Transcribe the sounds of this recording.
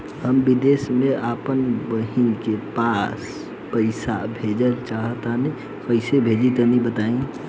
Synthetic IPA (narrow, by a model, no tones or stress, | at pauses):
həmbid̪eːsmẽʔaːpənbəɦinkepas | pəɪsa̰bʱed͡ʒəlt͡ʃaːɦt̪ani | kəɪsebʱeːd͡ʒit̪ənibət̪aːĩ